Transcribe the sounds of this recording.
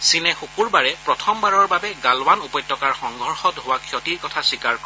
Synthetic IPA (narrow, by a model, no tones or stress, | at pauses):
sinɛxukuɹbaɹɛpɹɔtʰɔmbaɹɔɹbabɛɡalwanupɔjtːɔkaɹxɔŋɡʱɔɹxɔtɦowakʰjɔtiɹkɔtʰaswikaɹkɔ